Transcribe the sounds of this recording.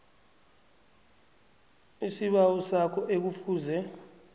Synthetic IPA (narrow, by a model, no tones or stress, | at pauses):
isiɓawɔsakʰɔʔek̬ufuːzɛ